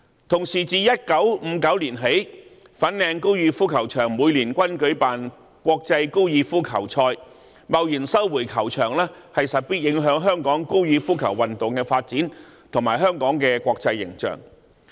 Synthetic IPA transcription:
t̪ʰʊ˨˩ŋsiː˨˩t͡siː˨jɐ˥t̚kɐ˨˥wm̩˨˧kɐ˨˥wliː˨˩nɦe˨˥j | fɐ˨˥nlɛː˧ŋko˥wjyiː˧fuː˥kʰɐ˨˩wt͡ʃʰœː˨˩ŋmuː˨˧jliː˨˩nkʷɐ˥nkɵ˨˥ɥpaː˨n | kʷɔː˧k̚t͡sɐ˧jko˥wjiː˧fuː˥kʰɐ˨˩wt͡ʃʰɔː˧j | mɐ˨wjiː˨˩nsɐ˥wwuː˨˩jkʰɐ˨˩wt͡ʃʰœː˨˩ŋlɛː˥hɐ˨jsɐ˨t̚piː˥t̚jɪ˨˥ŋɦœː˨˥ŋɦœː˥ŋkɔː˨˥ŋko˥wjiː˧fuː˥kʰɐ˨˩wwɐ˨nt̪ʊ˨ŋkɛː˧faː˧t̚t͡siː˨˥nt̪ʰʊ˨˩ŋmaː˨˩jɦœː˥ŋkɔː˨˥ŋkɛː˧kʷɔː˧k̚t͡sɐ˧jːɪ̰˨˩ŋt͡ʃœ̰ː˨˩ŋ

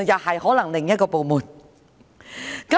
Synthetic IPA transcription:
jaː˨˩ha˨˩jhɔ˨˦la˨˩ŋlɪ˨˩ŋɲː˥˦˥kɔ˧˩po˨˩mu˨˩t̚ | ka˦˥

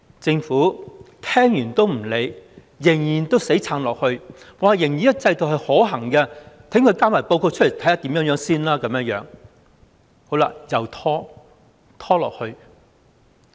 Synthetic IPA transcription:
t͡sɪ˧ŋfuː˨˥t̪ʰɛː˥ŋjyː˨˩nt̪o˥wm̩˨˩le˨˧j | jɪ˨˩ŋjiː˨˩nt̪o˥wse˨˥jt͡sʰaː˨˧nlɔː˨k̚hɵ˧ɥ | waː˨˩jɪ˨˩ŋjiː˨˩jɐ˥t͡sɐ˧jt̪o˨whɐ˨jhɔː˨˥ɦɐ˨˩ŋkɛː˧t̪ʰɪ˨˥ŋkʰɵ˧ɥkaː˥maː˨˩jpo˧wkʰoː˧t͡ʃʰle˨˩t̪ʰɐ˨˥jaː˧˥t̪iː˨˥mjœː˨˥ŋjœː˨˧˥ŋsiː˥nlaː˥kɐ˨˥mjɐ˧˥ŋjœ̰ː˨˥ŋ | ho˨˥wla̰ː˧jɐ˨˩wt̪ʰɔː˥ | t̪ʰɔː˥lɔ̰ː˨k̚hɵ˧ɥ

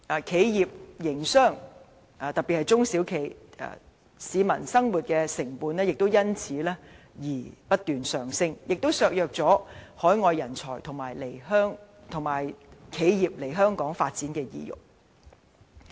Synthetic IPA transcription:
ʔa˨˩kʰe˨˧jjiː˨p̚jɪ˨˩ŋsœː˥˩ŋ | aː˨˩t̪ɐ˨k̚piː˨t̚hɐ˨jt͡sʊ˥ŋsi˨˥wkʰe˨˧˩ja̰ː˨ | siː˨˧mɐ̰˨˩nsɐ˥ŋwuː˨˩t̚kɛː˧sɪ˨˩ŋpuː˨˧nlɛː˥jɪ˨k̚t̪o˥wjɐ˥nt͡sʰiː˨˥lɛː˥ | jiː˨˩pɐ˥t̚t̪yː˨nsœː˨˩ŋsɪ˥ŋjʔɪ˨k̚t̪o˥wsœː˨˧k̚jœː˨k̚t͡sɔː˨˥hɔː˨˥jŋɔː˨˧jːɐ˨˩nt͡sʰɔː˨˩jt̪ʰʊ˨˩ŋmaː˨˩jle˨˩jhœː˥ŋ | t̪ʰʊ˨˩ŋmaː˨˩jkʰe˨˧jjiː˨p̚le˨˩jɦœː˥ŋkɔː˨˥ŋfaː˧t̚t͡siː˨˥nkɛː˧jḭː˨˧jʊ̰˨˩k̚

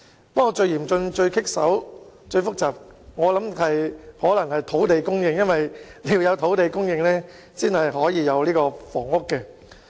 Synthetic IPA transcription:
p̚kɔ˧t͡ʃɵ˧ɥjiː˨˩mt͡sɵ˧ŋt͡ʃɵ˧ɥkʰɪ˥k̚sɐ̰˨˥wt͡ʃɵ˧ɥfʊ˥k̚t͡saː˨p̚ŋɔː˨˧lɐ˨˥mhɐ˨jhɔː˨˥lɐ˨˩ŋhɐ˨jt̪ʰo˨˥wt̪e˨jkʊ˥ŋjɪ˧ŋjɐ˥nwɐ˨jliː˨˧wjɐ˨˧wt̪ʰo˨˥wt̪e˨jkʊ˥ŋjɪ˨˧ŋlɛː˥ | siː˥nhɐ˨jɦɔː˨˥jiː˨˧jɐ˨˧wliː˥kɔː˧fɔː˨˩ŋʊ˥kːɛː˧

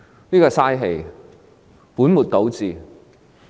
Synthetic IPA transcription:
niː˥kɔː˧saː˧˥jɦe˨˩j | puː˨˥nmuː˨˩t̚t̪o˨˥wt͡siː˨

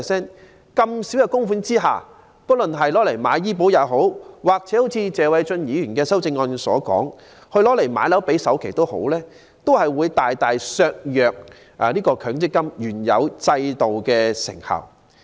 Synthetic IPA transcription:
sɛː˥n | kɐ˧msi˨˥wjɐ˨˧wkʊ˥ŋfuː˨˥nt͡siː˥ɦa̰ː˨˩ | pt̚lɵ˨nɦɐ˨jlɔː˨˥le˨˩jmaː˨˧˥jjiː˥p̬o˨˥wjaː˨˧˩ɦo˨˥wwaː˨k̚t͡sɛː˨˥ho˨˥wt͡sʰiː˧t͡sɛː˨wɐ˨˧jt͡ʃɵ˧njiː˨˥jyː˨˩nkɛː˧sɐ˥wt͡sɪ˧ŋːɔː˧nsɔ̰ː˨˥kɔ̰ː˨˥ŋ | hɵ˧ɥlɔː˨˥le˨˩jma̰ː˨˥jlɐ˨˥wpe˨˥jsɐ˨˥wkʰjt̪o˥who̰˨˥wlɛː˥ | t̪o˥whɐ˨jwuː˨˧jt̪aː˨jt̪aː˨jsœː˧k̚jœː˨k̚ | ʔliː˥kɔː˧kʰœː˨˥ŋt͡sɪ˥kːɐ˥mjyː˨˩njɐ̰˨˧wt͡sɐ˧jt̪o˨wkɛː˧sɪ̰˨˩ŋhɐ̰˨˩w

